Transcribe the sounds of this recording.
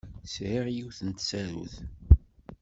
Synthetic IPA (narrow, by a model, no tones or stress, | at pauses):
sʕiʁjiwθənt̪sæɾṵθ